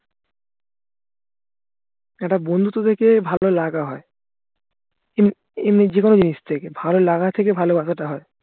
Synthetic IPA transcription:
ɛʈabond̪ʱut̪ot̪ʰekebʱalolaɡaɦɔe | em | emnid͡ʑekonod͡ʑiniʃt̪ʰekebʱalolaɡat̪ʰekebʱalobasʰaʈaɦɔe

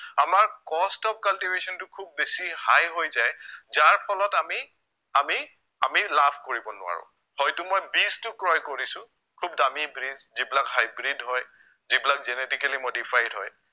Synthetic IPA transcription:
amaɹkɔstɔp̚kaltivesɔntʊkʰubːesihajɦojzajzaɹpʰɔlɔtami | ami | amilapʰkoɹibɔnʊ̰a̰ɹʊ̰̃ | hɔjtʊmojbistʊkɹɔjkoɹisʊ̃ | kʰubdamibɹizzibilakɦajbɹidɦɔj | zibilak̚zɛnetikalimodipʰajdɦɔj

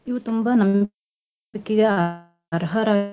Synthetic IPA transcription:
iʋut̪umbanɐm | ikːiɡɐ | ɾɦɐɾaː

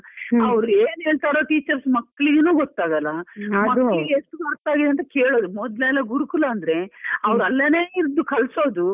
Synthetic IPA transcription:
ɐʋɾueːnɦeːɭt̪aːɾoːʈiːt͡ʃɐɾsmɐkːɐɭiɡenuːɡɔt̪ːaːɡɐlːɐmɐːɭɐiɡeeʂʈːubɐɾt̪ːaːɡid̪eɐnt̪ɐkeːɭo̞ːd̪umɔd̪lɛlːɐɡuɾukulɐːnd̪ɐɾe̞ɐʋɾɐlːɐneːiɾd̪ukɐlso̞ːd̪u

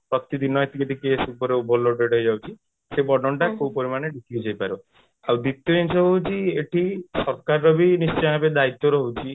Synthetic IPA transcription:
pɾɔt̪id̪inɔet̪iked̪ikesupɔɾeubʱɔloɖeɽɦɔjd͡ʒawt͡ʃʰi | sebɔɖɔɳʈakowpɔɾimaneɖikiud͡ʒajpaɾɔ | awd̪it̪ːɔinsɔɦɔut͡ʃʰieʈʰisɔɾkaɾɾɔbʱinist͡ʃɔjabed̪ait̪ːɔɾɔɦut͡ʃʰi

